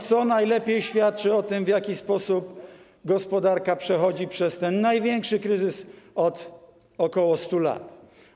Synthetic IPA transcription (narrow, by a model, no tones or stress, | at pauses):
t̪sɔnajlɛpʲjejɕfʲjat̪̚t͡ʂɘɔt̪ɘmvjakʲispɔsup | ɡɔspɔd̪aɾkapʂɛxɔd͡ʑipʂɛst̪ɛnːajvʲjɛŋkʂɘkɾɘzɘsɔt̪ | ɔkɔwɔst̪ula̰t̪